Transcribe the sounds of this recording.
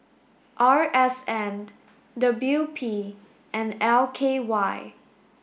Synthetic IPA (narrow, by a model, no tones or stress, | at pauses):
ʔaɹɛsɛ̃n | dʌbjupʰi | ʔɛ̃nɛlˠkʰewaɪ